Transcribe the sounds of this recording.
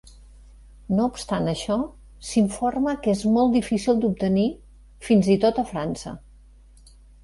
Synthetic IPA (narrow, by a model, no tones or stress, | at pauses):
noupst̪anəʃɔ | siɱforməkezmɔlˠd̪ifisilˠd̪up̚t̪əni | finzit̪ot̪əfɾansə̰